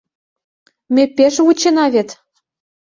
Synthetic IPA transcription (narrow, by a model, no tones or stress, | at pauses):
mʲepeʃut͡ɕenɑβet̪